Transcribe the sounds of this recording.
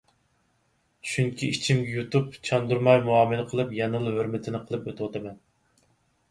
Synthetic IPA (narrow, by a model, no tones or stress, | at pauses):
ʃyŋkʲʰiit͡ʃʰimɡʲɛjut̪upt͡ʃʰɑnd̪uɾmɑjmuɑːmɨnɨqʰəlˠɨpjɛnɨlˠɦøɾmɪt̪ʰɪnɪqʰəlˠɨpøt̪ʰɪwɑt̪ʰɨmɛn